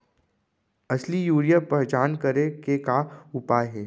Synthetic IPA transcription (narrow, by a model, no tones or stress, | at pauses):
ɐslijuːɾijapɐd͡ʒaːnkəɾekekaʊpaːɦɛː